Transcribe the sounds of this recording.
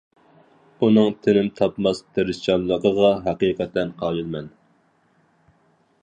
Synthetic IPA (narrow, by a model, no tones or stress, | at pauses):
unɨŋt̪ʰɪnɪmt̪ʰɑpmɑst̪ʰeɾɪst͡ʃɑnlˠəqəʁɑɦɑqiqɛt̪ːɛnqʰɑjɨlˠmɛn